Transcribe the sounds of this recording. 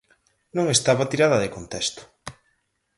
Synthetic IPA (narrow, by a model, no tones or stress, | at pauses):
nõŋest̪aβat̪iɾaðɐðekont̪ɛst̪ʊ̥